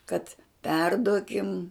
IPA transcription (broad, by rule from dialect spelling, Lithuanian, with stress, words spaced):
kɐt ˈpʲɛrduɔkʲɪm